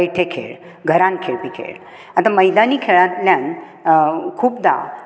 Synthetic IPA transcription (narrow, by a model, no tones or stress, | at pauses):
jʈ̪ʰekʰḛɭ | ɡʱəɾãnkʰeɭpikʰḛɭ | at̪ãməjd̪aniːkʰeɭãt̪ljãn | kʰuːpd̪a̰